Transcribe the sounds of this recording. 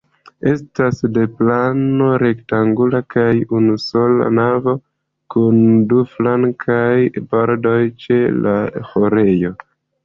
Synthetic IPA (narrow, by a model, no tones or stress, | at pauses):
e̞stasde̞plano̞ɾe̞ktaŋɡulakajunuso̞la̰navo̞ | kunduflaŋkʰajbaɾdo̞jt͡ʃe̞laho̞ɾe̞jo̞